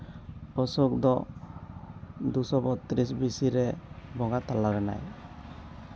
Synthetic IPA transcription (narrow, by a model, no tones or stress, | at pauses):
pɔsuk̚d̪ɔ | d̪usɔbɔt̪ɾis̬bisiɾɛbɔŋɡat̪alaɾɛna̰j